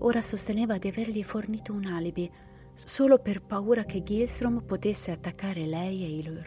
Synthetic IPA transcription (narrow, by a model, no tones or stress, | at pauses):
oːɾasost̪eneːvad̪iaverʎiforniːt̪ounalibi | soːloperpauːɾak̟eɡilst̪ɾompot̪esːeat̪ːakːaːɾelɛjeiloːɾ